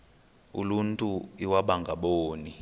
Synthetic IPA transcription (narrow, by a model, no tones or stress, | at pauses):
ṵluntʼuiwaɓaŋɡʱaɓoːni